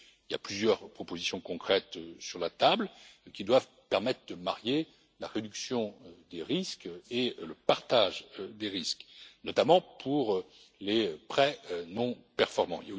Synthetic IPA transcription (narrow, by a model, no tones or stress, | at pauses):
ilja̰plyzjœʁpχɔpozisjɔ̃kɔ̃kχɛt̪øsyʁlat̪ablkʲid̪wav | pɛʁmɛt̪χd̪əmaʁje | laʁed̪yksjɔ̃d̪eʁiskeləpaʁt̪aʒd̪eʁisknɔt̪amɑ̃pʰuʁ | lepχɛnɔ̃pɛʁfɔʁmɑ̃ilja